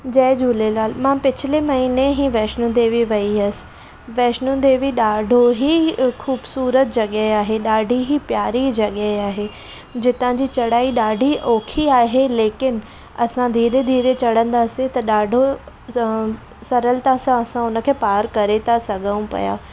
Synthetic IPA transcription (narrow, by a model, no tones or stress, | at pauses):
d͡ʑɐːɪd͡ʑuːlelaːlmãːpɪt͡ɕʰɪlemɐɦineɦiʋɛːʃnũd̪eːʋiʋɐiɦɐsɪ̥̆ | ʋɛːʃnũd̪eːʋiɗaːɖʱoɦixʰuːbsuːɾət̪̚d͡ʑɐɠəɦeaːɦeɗaːɖʱiɦipjaːɾid͡ʑɐɠəɦeaːɦe | d͡ʑɪt̪ãd͡ʑit͡ɕɐɽaːiɗaːɖʱiʔoːkʰiaːɦeleːkɪn | ɐsãd̪ʱiːɾed̪ʱiːɾet͡ɕɐɽ̤ə̃nd̪aːset̪ɐɗaːɖʱo | sɐɾəlt̪ãsãɐsãʊnəkʰeːpaːɾkɐɾet̪ʰasɐɠʱəũpɐ̰ja̰ː